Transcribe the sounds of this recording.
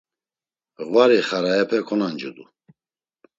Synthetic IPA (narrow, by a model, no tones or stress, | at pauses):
ɣvaɾiχaɾaɛpʰɛkʰɔnand͡ʒud̪u